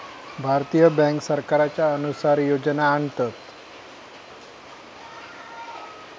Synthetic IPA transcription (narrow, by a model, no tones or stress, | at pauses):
bʱaɾt̪ijəbɛ̃ŋksəɾkaɾat͡ɕaənusaɾjod͡ʒnaəɳt̪ət̪